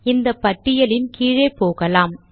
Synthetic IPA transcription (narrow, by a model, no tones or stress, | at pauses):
ɪnd̪ɐpːɐʈːɪjɐlɪnkiːɻeːpoːɣɐlaːm